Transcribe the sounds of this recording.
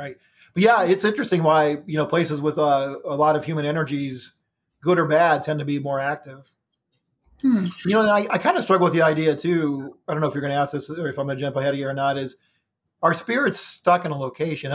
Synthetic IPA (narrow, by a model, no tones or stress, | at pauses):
ɹaɪt̚ | b̥ʌt̚jæɪtsɪ̃nt͡ʃɹ̥ɨstɪ̃ŋwaɪjɨnoʊpʰl̥eɪsɨzwəðʌəlɔɾʌv̥jʉmɨ̃ñɛñə˞d͡ʒiz | ɡ̥ʊɾə˞bæd̚tʰɛ̃ntɨbimɔɹæk̚tɪv̥ | jɨnoʊ̃naɪʔaɪkʰãɪ̃ndɨstɹ̥ʌɡl̩ˠwəðiaɪdiɨtʰʉadõnːoʊəfjə˞ɡʌ̃ñɨæsðɪsə˞ɨfãɪ̃mɨd͡ʒɛ̃mpl̩ˠhɛɾiə˞nəɾɪz̥ | aʊə˞spɪɹɨtstʌkɨ̃nəloʊkʰeɪʃɨ̃n